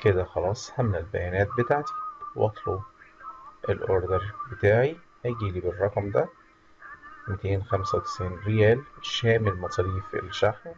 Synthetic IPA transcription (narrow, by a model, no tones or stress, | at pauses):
ked̪æxɑlɑːsˤhæmnælbæ̰jænæːt̪̚bet̪aʕt̪i̥wʔɑ̰t̪ˤlo | ʔelʔoɾˤd̪eɾbet̪æːʕi | hæɡiːliːberˤːɑqɑmd̪æ | mit̪eːnxæmsæwt̪e̥sʕiːnɾejæːlʃæːmelmɑt̪ˤɾiːfḛlʃaħm